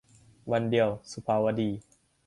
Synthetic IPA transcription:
wa˧ndi˨˧əwsu˧pʰaː˧wa˧diː˧˩

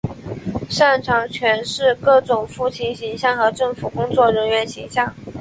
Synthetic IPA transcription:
ʂa˥˩nʈ͡ʂʰɑ˧˥ŋt͡ɕʰɥɛ˧˥nʂɻ̩˥˧kɤ˥˩ʈ͡ʂʊ˨˩ŋfu˥˩t͡ɕʰi˧˥ŋɕi˧˥ŋɕjɑ˥˩ŋxɤ˧˥ʈ͡ʂɤ˥˩ŋfu˨˩kʊ˥ŋt͡swɔ˥˩ɻə˧˥nɥɛ˧˥nɕi˧˥ŋɕjɑ˥˩ŋ

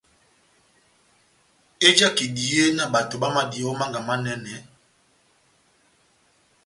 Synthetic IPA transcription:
e˦d͡ʒa˦ki˨di˨e˦na˨ba˨to˨ba˦ma˦di˨˦ɔ˦ma˦ŋɡa˨ma˦nɛ˦nɛ˨˦

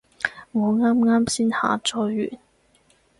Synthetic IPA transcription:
ŋɔ˨˧ŋaː˥mŋaː˥msiː˥nha̰ː˨˧˥t͡sɔː˨˥ɥy̰ː˨˩n

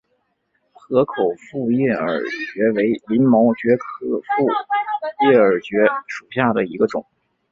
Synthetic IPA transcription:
xɤ˧˥kʰo˨˩ʊfu˥˧jɛ˥˩ə̰˞˨˩t͡ɕɥɛ˧˥we˧˥ɪli˧˥nmo˧˥ʊt͡ɕɥɛ˧˥kʰɤ˥fu˥˩jɛ˥˩ə˞˨˩t͡ɕɥɛ˧˥ʂu˨˩ɕja˥˩d̪ə˩i˧˥ɡə˧ʈ͡ʂʊ˨˩˦ŋ

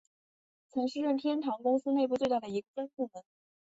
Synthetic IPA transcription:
t͡sʰɤ˧˥ŋʂɻ̩˥˧ɻə˥˩nt̪ʰjɛ˥nʈ͡ʂʰɑ˧˥ŋkʊ˥ŋsɹ̩˥ne˥˧ɪpu˥˧t͡swe˥˧t̪a˥˩d̪ə˩i˧˥ɡə˧ʈ͡ʂa˥npu˥˩mə˨˩n

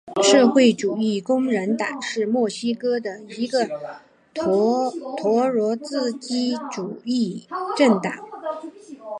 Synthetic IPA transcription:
ʂɤ˥˧xwe˥˩ɪʈ͡ʂu˨˩i˥˩kʊ˥ŋɻə˧˥nt̪ɑ̰˨˩˦ŋʂɻ̩˥˧mwɔ˥˩ɕi˥kɤ˥d̪ə˨i˧˥ɡə˧ | t̪ʰwɔ˧˥ɻwɔ˧˥t͡sɹ̩˥˧t͡ɕi˥ʈ͡ʂu˨˩i˥˩ʈ͡ʂə˥˩ŋt̪ɑ˨˩˦ŋ

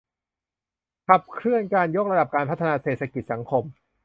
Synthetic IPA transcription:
kʰa˨˩p̚kʰɾɯ˥˩ənkaː˧njo˦˥k̚ɾa˧da˨˩p̚kaː˧npʰa˦˥t̪ʰːa˧naː˧seː˨˩t̪̚sʰa˧ki˨t̪̚sa˩˦ŋkʰo˧m

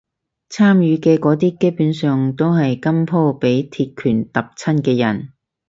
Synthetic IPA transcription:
t͡sʰaː˥mjyː˨˧kɛː˧kɔː˨˥t̪iː˥ke˥puː˨˥nsœː˨ŋt̪o˥wɦɐ˨jkɐ˥mpʰo˥wpe˨˥jt̪ʰiː˧t̚kʰyː˨˩nt̪ɐ˨p̚t͡sʰɐ˥nkɛː˧jɐ̰˨˩n

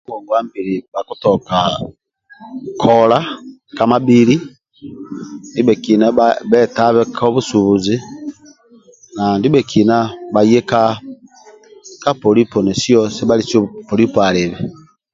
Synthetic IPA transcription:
mwo˨ɡwa˦mbi˨ɾi˨βa˨ku˦tɔka | kʰɔla˦kama˦biɾi˦ | ndi˦bɛ˨ki˨na˦βɛ˦taβɛ˦kʰo˦βu˦su˨βuzi˦ | na˨ndi˦be˨kʰi˨na˦βaje˦ka˦ | ka˦poɾi˦po˨ne˨si˦osi˦βa˦lisjo˦po˨ɾi˦poa˨ɾe˨βi

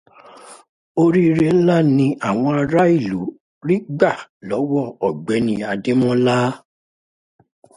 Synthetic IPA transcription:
o˦ɾi˦ɾe˦la˦˨nĩ˧ʔa˦˨w̃ɔ̃˧a˧ɾa˦i˦˨lu˨˦ | ɾi˦ɡ͡ba˦˨lɔ˨˦wɔ˦˨ɔ˨ɡ͡bɛ˨˦nĩ˧a˧de˦mɔ̃˦la˦

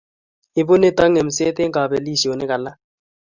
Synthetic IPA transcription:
ɪ˨bʊ˦ne˦˨ta˦ŋe˨m̩˨se˦t̪e˦ŋɡa˨bɛ˨li˦˨si˨o˨nɛ˦ka˨la˦

